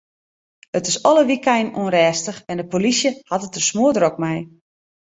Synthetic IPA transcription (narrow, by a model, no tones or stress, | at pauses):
ətɪsɔləʋikɛjnonrɛːstəxɛndəpolisjəhatətəsmoədrokmɛj